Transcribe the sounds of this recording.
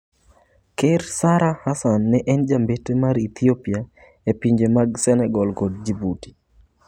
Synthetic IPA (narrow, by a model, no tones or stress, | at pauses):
keɾsaɾahasanːɛʔɛnd͡ʒambetemaɾit̪iopia | epiɲd͡ʒemaɡsɛnɛɡɔlkod̚d͡ʒibuti̥